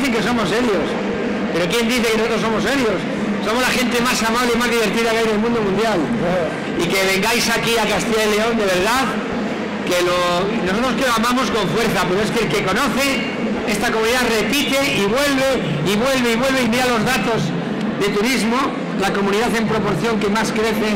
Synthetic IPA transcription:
θeŋke̞s̬o̞mo̞se̞ɾjo̞s | pe̞ɾo̞kje̞nd̪iθekenosot̪ɾosomo̞s̬e̞ɾjo̞s | so̞mo̞zlaxe̞nt̪e̞masamaβleimazðiβ̞e̞ɾt̪iðakeajðe̞lmũnd̪o̞mũnd̪jal | ike̞β̞e̞ŋɡajsakiakast̪iʝaele̞o̞nd̪e̞β̞e̞ɾð̞að | ke̞lo | nosot̪ɾoskeloamãmo̞sko̞ɱfwe̞ɾθape̞ɾoeskelke̞ko̞no̞θe | e̞st̪ako̞mũniðaðre̞pit̪e̞iβwe̞lβ̞e̞ | iβwe̞lβeiβ̞we̞lβeimiɾalo̞zðat̪o̞z | ðe̞t̪uɾizmo | lako̞mũniðaθe̞mpɾo̞po̞ɾθjo̞ŋke̞maskɾe̞θe

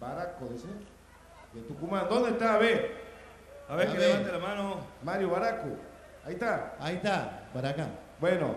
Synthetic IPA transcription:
baɾakoðise | et̪ukumãnd̪ond̪et̪aːβe | aβekeat̪elamanomaɾjuβaɾakṵ | ajt̪aajt̪abaɾaka | bweno̰

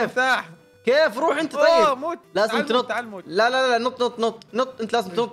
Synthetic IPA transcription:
fɑ | keːfɾˤuːħʔɪnt̪atˤɑjːɪmːlaːzɪmt̪nʊt̪ˤːlalalalanʊt̪ˤːnʊt̪ˤːnʊt̪ˤːnʊt̪ˤːʔɪnt̪laːzɪmt̪nʊt̪ːˤ

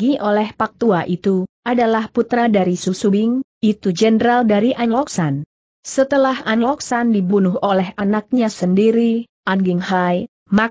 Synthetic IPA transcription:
iʔolɛhpak̚t̪uaʔit̪uʔadalahput̪ɾadaɾisusubɪŋit̪ud͡ʒənəɾaldaɾiʔaɲlɔksan | sət̪əlahanlɔksandibunuɦolɛɦʔanak̚ɲasəndiɾi | ʔaŋɡɪŋhaj | ma

